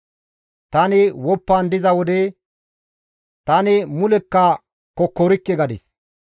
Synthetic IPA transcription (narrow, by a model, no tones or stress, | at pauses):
t̪ɐnɪwɔpːand̪ɪzɐwɔd̪ɛ | t̪ɐnɪmʊlɛkːɐ | kɔkːɔɾɪkːɛɡɐd̪ɪs